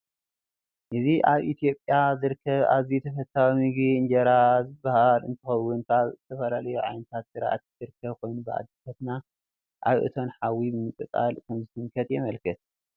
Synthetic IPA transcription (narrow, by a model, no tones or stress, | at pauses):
ʔɨziʔaβʔit̪ʰijo̞pʼjazɨɾɨkʰːɐβa̰βzit̪ʰɐfɐt̪ʰːawimɨɡiɨnd͡ʒɐɾazɨbːahalɨ̰nt̪ʰɨxɐwːʊnt̪ʰaβzɨt̪ʰɐfɐlalɐjuʕajnɨt̪ʰat̪sɨɾʔa̰t̪zɨɾɨkʰːɐβkʰo̞jnubɨʔa̰d̪ːɨfʰɐt̪na | ʔaβʔɨ̰t̪ʰo̞nħawibɨmɨkʼɨt͡sʼa̰lkʰɨmzɨsʰɨŋkʰɐt̪jɛmɐlkʰɨt̪̚